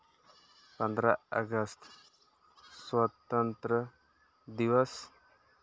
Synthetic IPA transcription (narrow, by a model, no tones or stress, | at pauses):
pɐnd̪ɾaə̰ɡəst̪ | swat̪ənt̪ɾə | d̪iwəs